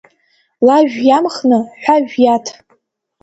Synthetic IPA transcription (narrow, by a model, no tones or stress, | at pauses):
laʒᶣjamχnɨħʷaʒᶣjatʰ